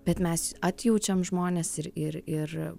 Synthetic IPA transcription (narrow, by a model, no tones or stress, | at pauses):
bʲɛt̪mʲɛsɑːt̪ʲjuʊt͡ʃʲɛmʒmoːnʲɛsɪɾɪɾɪr